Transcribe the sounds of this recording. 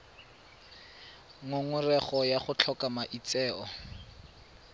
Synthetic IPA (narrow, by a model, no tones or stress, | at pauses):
ŋʊŋʊrɛχɔjaχʊt͡ɬʰɔkamaʔit͡sɛːɔ